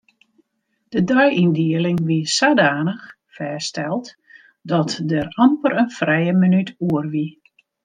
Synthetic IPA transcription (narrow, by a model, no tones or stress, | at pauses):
d̥ədœjʔindiəlɪŋʋisaːdaːnəx | fɛːstɛlˠt | dɔtdərampərənfrɛjəmənytuərʋi